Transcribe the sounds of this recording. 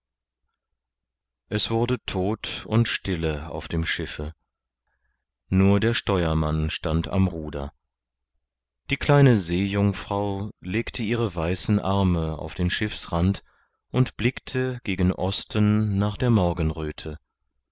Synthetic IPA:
ʔɛsv̥ʊɐdətʰoːtʊntʃtɪləa̰ʊfd̥eːmʃɪfə | nuːɐdeːɐʃtɔʏɐmanʃtantʰa̰mʁuːdɐ̰ | d̥iːkl̥aɪnəzeːjʊŋfʁ̥aʊleːktʰəʔiːʁ̞əvaɪsn̩ʔaʁməa̰ʊfd̥eːnʃɪfsʁant | ʔʊntb̥lɪktʰəɡ̥eːɡən̩ʔɔstənːaːχd̥eːɐmɔɐɡən̩ʁøːtʰə

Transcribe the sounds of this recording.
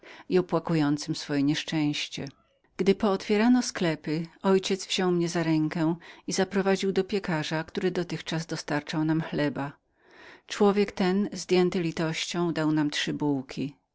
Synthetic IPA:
iɔpwakujɔnt̪sɘmsfɔjɛɲɛʂt͡ʂɛ̃w̃ɕt͡ɕɛ | ɡ̥d̪ɘpɔːt̪fʲjɛɾanɔsklɛpɘɔjt͡ɕɛt̪sv̥ʑ̥ɔwmɲɛzaɾɛŋkɛizapɾɔvad͡ʑiwd̪ɔpʲjɛkaʐakt̪uɾɘd̪ɔt̪ɘxt͡ʂazd̪ɔst̪aɾt͡ʂawnamxlɛba | t͡ʂwɔvʲjɛkt̪ɛnzd̪ʲjɛnt̪ɘlʲit̪ɔɕt͡ɕɔ̃w̃d̪awnamt̪ʂɘbuwkʲʰi

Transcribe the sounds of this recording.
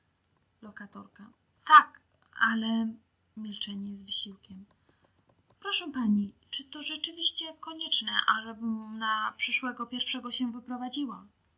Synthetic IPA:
lɔkat̪ɔɾka | t̪ak | alɛ | mʲilt͡ʂɛɲɛzvɘɕiwkʲɛm | pɾɔʂɛpaɲit͡ʂɘt̪ɔʐɛt͡ʂɘvʲiɕt͡ɕɛkɔɲɛt͡ʂnɛʔaʐɛbɘmnapʂɘʂwɛɡɔpʲjɛɾfʂɛɡɔɕɛvɘpɾɔvad͡ʑiwa

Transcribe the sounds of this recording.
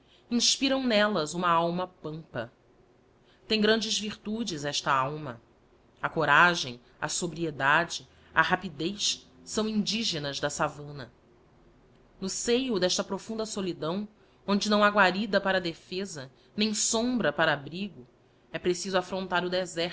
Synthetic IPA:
ĩʃpiɾɐ̃w̃nɛlɐzũmɐawmɐpɐ̃mpɐ̰ | t̪ẽj̃ɡɾɐ̃nd͡ʒɪzviɾt̪ud͡ʒɪzɛʃt̪ɐawmɐ̰ | ɐkoɾaʒẽj̃ | ɐ̰sobɾied̪ad͡ʒɪ | ɐhapid̪ejsːɐ̃w̃ĩnd͡ʒiʒenɐzd̪ɐsavɐ̃nɐ | nʊsejʊd̪ɛʃt̪ɐpɾofũnd̪ɐsolid̪ɐ̃w̃ | õnd͡ʒɪnɐ̃w̃aɡwaɾid̪ɐpaɾɐd̪efezɐ | nẽj̃sõmbɾɐpaɾɐːbɾiɡʊ | ɛpɾesizʊafɾõnt̪aɾʊd̪ezɛ

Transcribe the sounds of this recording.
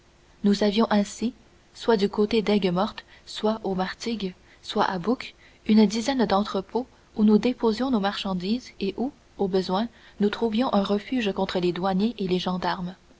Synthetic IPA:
nuzavjɔ̃ʔɛ̃si | swad̪ykot̪ed̪ɛɡmɔʁt̪ | swaʔomaʁt̪iɡ | swaʔabuk | ynd̪izɛnd̪ɑ̃t̪χəpʰo | unud̪epozjɔ̃nomaʁʃɑ̃d̪iːzeʔu | obəzwɛ̃ | nut̪χuvjɔ̃ʔɛ̃ʁəfyːʒkɔ̃t̪χəled̪waɲeʔeleʒɑ̃d̪aʁm

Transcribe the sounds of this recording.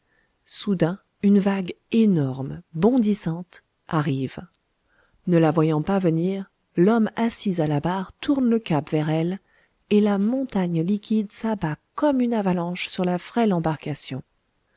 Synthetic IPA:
sud̪ɛ̃ | ynvaɡenɔʁmbɔ̃d̪isɑ̃t̪ | ʔaʁiv | nəlavwajɑ̃pavəniʁ | lɔmasizalabaʁt̪ʰuʁnləkapvɛʁɛl | elamɔ̃t̪aɲlikʲid̪sabakɔmynavalɑ̃ʃsyʁlafχɛlɑ̃baʁkasjɔ̃

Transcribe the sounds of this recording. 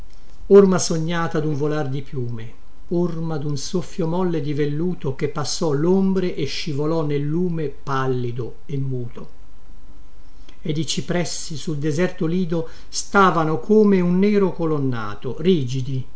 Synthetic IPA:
ormasoɲːaːt̪ad̪uɱvolard̪ipjuːme | ormad̪unsofːjomɔlːed̪ivelːuːt̪ok̟epːasːɔlombɾeʔeʃːivolɔnːelːuːmepalːid̪o | emːuːt̪ʰo | ed̪it͡ʃipɾɛsːisuld̪ezɛrt̪oliːd̪o | st̪aːvanokʰoːmeunːɛːɾokolonːa̰ːt̪oriːd͡ʒid̪i

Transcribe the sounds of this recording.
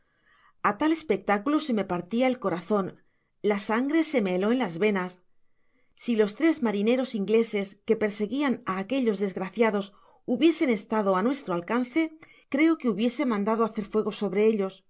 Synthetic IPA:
at̪ale̞spe̞k̚t̪akulose̞me̞paɾt̪iae̞lko̞ɾaθo̞n | lasaŋɡɾe̞se̞meːlo̞enlazβe̞nasː | ilo̞st̪ɾe̞zmaɾine̞ɾo̞siŋɡle̞se̞ske̞pe̞ɾse̞ɣianaːke̞ʎo̞zðe̞zɣɾaθjaðo̞s | uβje̞se̞ne̞st̪að̞o̞anwe̞st̪ɾoalkanθe̞ | kɾe̞o̞ke̞uβje̞se̞mãnd̪að̞oaθe̞ɾfwe̞ɣ̞o̞so̞βɾe̞e̞ʎo̞s

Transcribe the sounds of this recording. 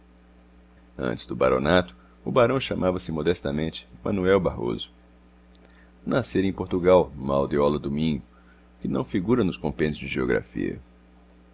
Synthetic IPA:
ɐ̰̃nt͡ʃɪ̥zd̪ʊba̰ɾo̰nat̪ʊ̥ | ʊbaɾɐ̃w̃ʃɐ̃mʔavɐsɪmod̪ɛst̪ɐmẽnt͡ʃɪ̥mɐ̃nuɛwbaɦo̰zʊ̥ | naseɾẽj̃poɾt̪uɡawma̰wd̪eɔlod̪ʊmĩɲʊ | kɪnɐ̃w̃fiɡuɾɐnʊskõmpẽnʊzd͡ʒɪʒeoɡɾa̰fḭɐ̰

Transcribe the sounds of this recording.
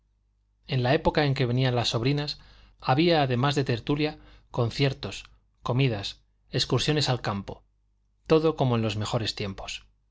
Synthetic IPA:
e̞nlae̞po̞kae̞ŋke̞βe̞nialasːo̞βɾinas | aβiaːðe̞mazðe̞t̪e̞ɾt̪uljako̞n̟θje̞ɾt̪o̞s | ko̞miðas | e̞skuɾsjo̞ne̞salkampo̞ | t̪o̞ðo̞ko̞mo̞e̞nlo̞zme̞xo̞ɾe̞st̪je̞mpo̞̥s

